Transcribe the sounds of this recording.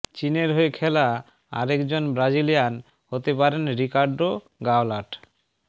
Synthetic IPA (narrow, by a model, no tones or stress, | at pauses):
t͡ɕineɾɦoekʰɛla | a̰ɾekd͡ʑonbɾad͡ʑilijan | hot̪epaɾenɾikaɾɖo | ɡaolaʈ